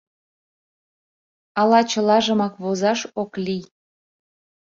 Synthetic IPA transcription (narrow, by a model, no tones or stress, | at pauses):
ɑlɑt͡ɕəlɑʒəmɑkβozɑʃokli